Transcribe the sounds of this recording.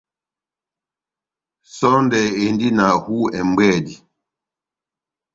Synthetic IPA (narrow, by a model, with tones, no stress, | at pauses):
sɔ˦ndɛ˨e˨ndi˦na˨hu˦ɛ˨m˦bɛ˦˨di˨